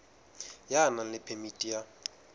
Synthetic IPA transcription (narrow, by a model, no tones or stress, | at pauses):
janalɪpʰemitʼija